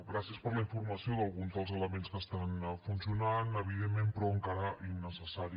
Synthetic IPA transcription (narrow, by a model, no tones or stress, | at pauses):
ɡɾasiəspəɾləiɱfurməsioðəlˠɣunzðəlˠzələmenskəst̪anfunsiunanəβiðemːempɾɔəŋkaɾəʔinːəsəsaɾi